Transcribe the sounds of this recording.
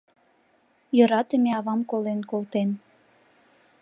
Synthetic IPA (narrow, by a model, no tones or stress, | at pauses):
jøɾɑt̪əmeɑβɑmkolenkolt̪en